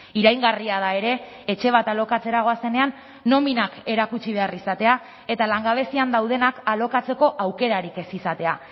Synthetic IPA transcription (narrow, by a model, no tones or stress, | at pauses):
iɾajŋɡariaðae̞ɾe̞ː | t͡ʃe̞β̞at̪alo̞kat͡se̞ɾaɣ̞o̞ase̞ne̞anː | o̞minake̞ɾakut͡ʃiβ̞e̞arisat̪e̞a | e̞t̪alaŋɡaβ̞e̞siand̪awðe̞nakalo̞kat͡se̞ko̞ʔawke̞ɾaɾike̞sisat̪e̞a